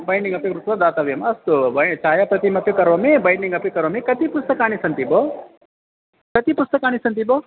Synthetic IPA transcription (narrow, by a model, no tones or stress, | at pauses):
bɐjniŋɡɐpjukɾut̪ʋɐd̪aːt̪ɐʋijɐmɐst̪ubɐt͡ʃaːjapɾɐt̪imɐpjukɐɾʋɐmebɐjniŋɡɐpjukɐɾʋɐmẽkɐt̪ipust̪ɐkaːnisɐnt̪ibo | kɐt̪ipust̪ɐkaːñisɐnt̪ibo